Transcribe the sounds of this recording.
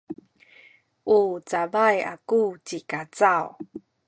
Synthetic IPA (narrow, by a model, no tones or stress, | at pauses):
ʔut͡savaja̰kut͡ɕikat͡saw